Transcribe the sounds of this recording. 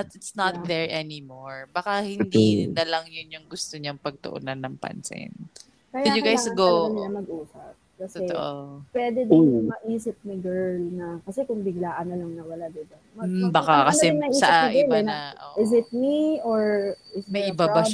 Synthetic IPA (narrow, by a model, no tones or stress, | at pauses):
ɐt̪ɪt̪snɐt̪ðɛɹʔɛnɪmoɹbakahɪnd̪inɐlɐŋjʊnjʊŋɡʊst̪oɲaŋpɐɡ̚t̪o̰ʔo̰nɐnɐŋpɐ̰nsɪ̰n | kɐjaɪd̪jʊɡajsɡownlɐmɐɡ̚ʔuːsɐp̚kɐsɛt̪oʔopwɛd̪ɛd̪ɪnʊŋmɐʔiːsɪp̚nɪɡɛɹlnɐkɐsɛkʊŋbɪɡlaːʔɐnːɐlɐŋnɐwɐlad̪ɪd̪ɐ | mɐbakakɐsɛɪŋnɐiːsɐʔanɐʔɪɛlɛnaʔo̰ʔɪsɪt̪̚mioɹɪsmɐjʔɪbaba